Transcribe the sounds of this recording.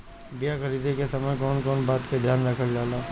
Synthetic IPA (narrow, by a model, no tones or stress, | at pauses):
bijaxɐɾiːd̪ekesɐməjkɔːnkɔːnbaːt̪ked̪ʱjaːnɾɐkʰəld͡ʒaːlaː